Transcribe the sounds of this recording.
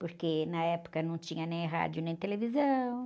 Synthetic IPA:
poɾkenɐɛpo̥kɐnɐ̃w̃t͡ʃĩɲɐnẽj̃ɦa̰d͡ʒiʊnẽj̃t̪elevizɐ̃w̃

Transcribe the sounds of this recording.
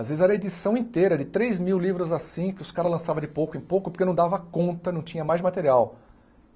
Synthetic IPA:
azvezɪzɛɾɐed͡ʒisɐ̃w̃ĩt̪ejɾɐd͡ʒɪt̪ɾejzmiwlivɾʊzasĩkɪʊskaɾɐlɐ̃savɐdɪpowkʊẽj̃powkʊpoɾkenɐ̃w̃d̪avɐkõnt̪ɐnɐ̃w̃t͡ʃĩɲɐmajzmat̪eɾiaw

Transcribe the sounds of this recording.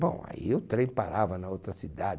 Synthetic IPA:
bõ̰w̃a̰ḭʊt̪ɾẽj̃pa̰ɾavɐnɐowt̪ɾɐsid̪a

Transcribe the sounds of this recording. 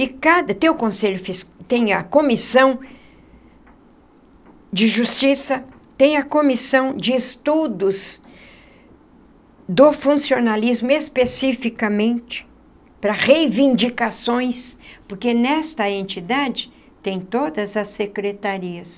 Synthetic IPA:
ikad̪ɐt̪ẽj̃ʊkõseʎʊfist̪ẽj̃ɐkomisɐ̃w̃ | d͡ʒɪʒust͡ʃisɐ | t̪ẽj̃ɐkõmisɐ̃w̃d͡ʒɪːst̪ud̪ʊz | d̪ʊfũsionalizmʊespesifikɐmẽnt͡ʃɪ̥ | pɾɐʁejvĩnd͡ʒikasõj̃spoɾkenɛst̪ɐẽnt͡ʃid̪ad͡ʒɪ | t̪ẽj̃t̪od̪ɐzɐsekɾet̪aɾiɐs

